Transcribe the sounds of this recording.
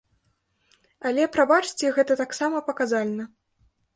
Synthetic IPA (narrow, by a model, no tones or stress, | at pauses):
ɐlʲɛpɾabat͡ʂt͡sʲɛɣɛt̪ɐt̪aksamɐpɐkazalʲnɐ